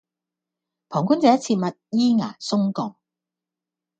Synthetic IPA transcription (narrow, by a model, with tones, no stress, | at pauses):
pʰɔː˨˩ŋkuː˥nt͡sɛː˨˥t͡sʰiː˧t̚mɐ˨t̚jiː˥ŋaː˨˩sʊ˥ŋkɔː˨˩ŋ